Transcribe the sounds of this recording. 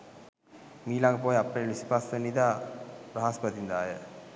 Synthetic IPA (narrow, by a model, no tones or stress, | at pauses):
miːlaŋɡəpoːjapːəjʋispasənid̪aːɾəɦaspət̪ind̪aːjə̰